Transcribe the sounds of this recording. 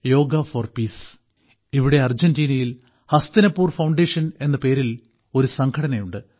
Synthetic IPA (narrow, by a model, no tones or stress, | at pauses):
jo̞ːɡɐfɐrpiːs | iʋiɽe̞ɐrd͡ʑɐndiːnɐjil | hɐst̪inɐpːuːrfɐwɳɖeːʂɐne̞nːɐpe̞ːɾil | o̞ɾusɐŋkʰɐɽɐnɐjuɳɖɨ